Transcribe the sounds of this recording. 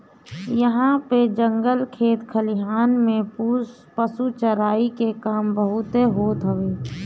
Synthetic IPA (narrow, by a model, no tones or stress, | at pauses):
jəɦãped͡ʒə̃ŋɡəlkʰeːt̪kʰəliɦaːnmẽpus | pəsut͡ʃəɾaːikekaːmbəɦʊt̪eɦoːt̪ɦəʋeː